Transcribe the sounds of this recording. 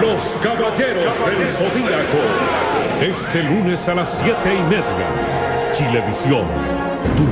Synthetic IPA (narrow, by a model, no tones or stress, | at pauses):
loskaβaʎeɾoaselsoðiako | est̪elunesalasːjet̪eimeðja̰ | t͡ʃileβisjon | t̪u